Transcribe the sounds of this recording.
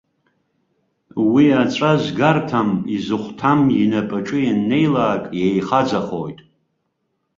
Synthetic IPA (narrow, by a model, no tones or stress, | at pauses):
wiat͡ʃʷʼaʒʷɡartʰamizɨχʷtʰaminapʼaʈ͡ʂʼɨjanːe̞jlaːkʼjejχad͡zaχo̰jtʼ